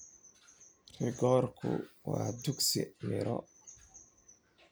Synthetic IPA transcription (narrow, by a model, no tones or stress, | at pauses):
rɪɡɔːrkʰʊwɑːd̪uɡsɪmɪɾɔ